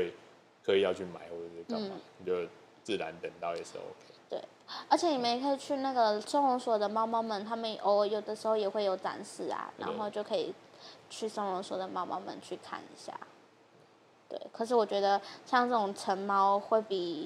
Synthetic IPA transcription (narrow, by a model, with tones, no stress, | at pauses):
we˥˩ɪ | kʰɤ˧˥i˨˩jɑ˥˧ʊt͡ɕʰy˥˩ma̰˨˧˦ɪwɔ˥˩ə˧˩ə˥˩˨n̩˥˩i˨˩t͡ɕɛ˧˥˩ | t͡sɹ̩˥˩ɻa˧˦nt̪ə˨˩ŋt̪ɑ˥˨ʊjɛ˨˩ʂ̩˥˩o̰˧ʊkʰt̪wḛ˥˩ɪə˞˧˥t͡ɕʰjɛ˧˦ni˨˩mə˧˥˨kʰɤ˥i˨˩t͡ɕʰy˥˧na˥˩ɡə˩so˥ŋʊ˧˥ŋswɔ˨˩d̪ə˦mɑ˥ʊmɑ˥ʊmə˨nt̪ʰa˥mə˨nʔo˧˩jo˨˩ʊd̪ə˦ʂɻ̩˧˥xo˥˧ʊjɛ˨˩xwe˥˩ɪjo˨˩ʊt͡sa̰˧˥nsɹ̩˥˩a̰˨˩ɻa̰˧˥n˥xo˥˧t͡ɕjo˥˩ʊkʰɤ˧˥ḭ˨˩t͡ɕʰy˥˩sə˥ŋʊ˧˥ŋswɔ˨˩d̪ə˦mɑ˥ʊmɑ̰˥ʊmə̰˧˨nt͡ɕʰy˥˧kʰa̰˥˩nḭ˧˥ɕja̰˥˩ | t̪wḛ˥˩ɪkʰɤ˨˩ʂ̬ɻ̩˥˩wɔ˨˩t͡ɕɥɛ˧˥d̪ə˧ɕjɑ˥˧ŋʈ͡ʂɤ˥˩ʈ͡ʂʊ˨˩ŋʈ͡ʂʰə˧˥ŋmɑ˥ʊxwe˥˩ɪpi˨˩